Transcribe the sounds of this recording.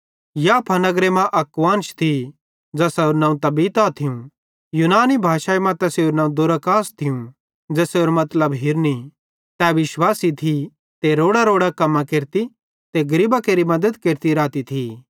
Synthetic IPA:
japʰanɐɡɾemãʔɐkʋãːnt͡ʃʰt̪ʰi | d͡zɐsɛoɾnãːũt̪ɐbiːt̪at̪ʰɪũ | juːnaːnibʱaːʃaːemɐ̃t̪ɛseoɾnãːũd̪oɾakaːst̪ʰiũ | d͡ʒɛseoɾmɐt̪ləbɦɪɾni | t̪ɛʋɪʃwaːsit̪ʰi | t̪eɾoːɽaɾoːɽakɐmːãkeɾt̪i | t̪eɡɐɾibakeːɾimɐd̪əd̪keːɾt̪iɾaːt̪it̪ʰi

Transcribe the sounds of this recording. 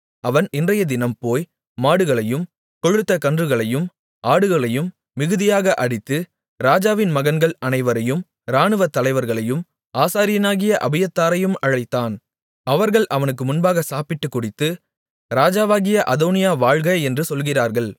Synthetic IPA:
ʔɐʋɐnɪndrɐjɐd̪ɪnɐmpoːjː | aːɽɯɣɐɭɐjɯm | kɔɻɯt̪ːɐkɐndrɯɣɐɭɐjɯm | ʔaːɽɯɣɐɭɐjɯmː | ɪɣɯðɪjaːɣɐʔɐɽɪt̪ːɯ | ɾaːd͡ʒaːʋɪnmɐɣɐnɡɐɭɐnɐɪʋɐɾɐjɯm | ɾaːnɯʋɐt̪ːɐlɐɪʋɐɾɣɐɭɐjɯm | ʔaːsaːɾɪjɐnaːɣɪjɐʔɐbɪjɐt̪ːaːɾɐjɯmɐɻɐɪt̪ːaːn | ɐʋɐɾɣɐɭʔɐʋɐnɯkːɯmʊnbaːɣɐsaːpɪʈːɯkːʊɽɪt̪ːɯ | ɾaːd͡ʒaːʋaːɣɪjɐʔɐðoːnɪjaːʋaːɻɣɐjɛndrɯsɔlɣɪraːɾɣɐɭ

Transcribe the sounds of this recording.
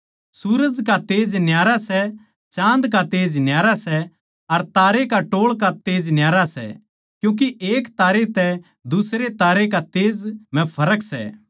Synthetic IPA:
suɾəd͡ʒkat̪eːd͡ʒnjaːɾasɛ | t͡ʃãːnd̪k̬at̪eːd͡ʒnjaːɾasɛ | ɐɾt̪aːɾekaʈoːɭkat̪eːd͡ʒnjaːɾasɛ̰ | kjũːk̬iʔeːkt̪aːɾet̪ɛ | d̪ʊsɾet̪aːɾekat̪eːd͡zmɛ̃pʰɐɾəksɛ̰

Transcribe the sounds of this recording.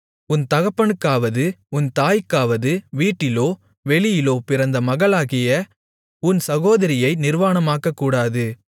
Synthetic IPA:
ʊnt̪ɐɣɐpːɐɳɯkːaːʋɐðɯʊnt̪aːjkːaːʋɐðɯʋiːʈːɪloː | ʋɛɭɪjɪloːpɪɾɐnd̪ɐmɐɣɐɭaːɣɪjɐ | ʊnsɐɣoːðɐɾɪjɐɪnɪɾʋaːnɐmaːkːɐkːuːɽaːðɯ

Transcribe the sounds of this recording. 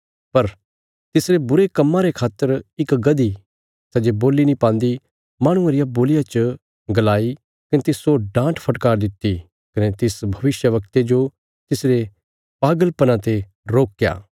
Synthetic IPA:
pɐɾ | t̪ɪsɾebʊɾekɐmːãɾekʰaːt̪ːəɾɪkɡɐd̪i | sɛd͡ʒeboːlinĩpãːnd̪i | mãːɽ̃ʊ̃ẽɾɪjaboːlɪjat͡ʃə | ɡɐlaːi | kɐnet̪ɪsoɖãːʈpʰɐʈkaːɾd̪ɪt̪ːi | kɐnet̪ɪsbʱɐʋɪsjəʋɐk̚t̪ed͡ʒo | t̪ɪsɾe | paːɡəlpɐnãt̪e | ɾoːkja̰ː

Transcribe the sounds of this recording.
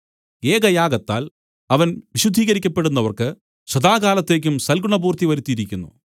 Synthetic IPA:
e̞ːɡɐjaːɡɐt̪ːa̰ːl | ɐʋɐnʋiɕud̪ʱːiːɣɐɾikʲːɐpːe̞ɽunːɐʋɐrkɨ | ɕɐd̪aːɡaːlɐt̪ːe̞ːk̬ʲːumsɐlɡuɳɐbuːrt̪iʋɐɾut̪ːijiɾikʲːunːṵ

